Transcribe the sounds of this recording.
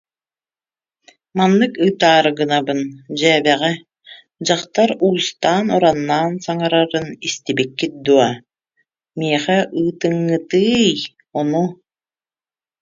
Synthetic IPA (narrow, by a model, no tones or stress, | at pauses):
manːɯkɯːt̪aːɾɡɯnabɯnd͡ʑɛːbɛʁɛ | d͡ʑaχt̪aɾuːst̪aːnɔɾanːaːnsaŋaɾaɾɯnist̪ibikːit̪̚d̪uɔ | miɛχɛʔɯːt̪ɯŋːɯt̪ɯːj | ɔnu